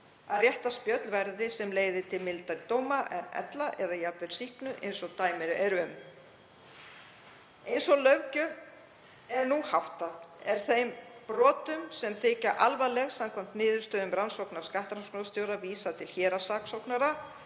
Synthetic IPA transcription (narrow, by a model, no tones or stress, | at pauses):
aðrjɛht̪aspjœt̪lvɛɾðɪsɛmleːjðɪt̪ʰɪlmɪlt̪aɾit̪oːwmaʔɛnɛ̰t̪laʔɛðajapvɛɾ̥sihknʏʔḛjnsɔt̪aːjmɛɾʏɛɾʏm | ejnsɔlœwcʏ | ɛɾnuhawht̪aðɛɾ̥θejmpɾɔːt̪ʏmsɛmθɪːcaʔalvalɛɣsamkʰɔm̥t̪nɪːðʏɾst̪œːðʏmɾansowknaɾ̥skaht̪ɾanskɔnast̪joːwɾaviːsat̪ʰɪlçɛːɾasaːksowknaɾa